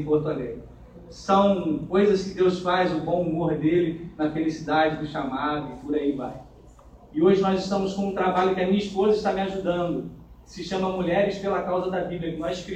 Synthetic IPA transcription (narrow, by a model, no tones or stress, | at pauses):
poɾt̪ale | sɐ̃w̃kojzɐskɪd̪ewsfajzʊbõw̃umoɾd̪elɪnɐfelisid̪ad͡ʒɪd̪ʊʃamad̪ʊɪpʊɾaiva̰j | ɪoʒɪnɔzɪʃt̪ɐ̃mʊskõũt̪ɾabaʎʊkɪɐmĩɲɐɪspozɐɪʃt̪amɪaʒud̪ɐ̃nd̪ʊkɪ̥sɪʃɐ̃mɐmuʎɛɾɪspelɐkawzɐd̪ɐbibliɐkɪnɔskɾ